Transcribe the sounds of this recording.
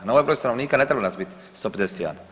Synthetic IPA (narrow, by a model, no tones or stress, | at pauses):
nɔʋɛpɾuɛst̪anɔniːkanɛt̪ɾɛbalnazbitʲ | st̪ɔpɛd̪ɛst̪ia̰n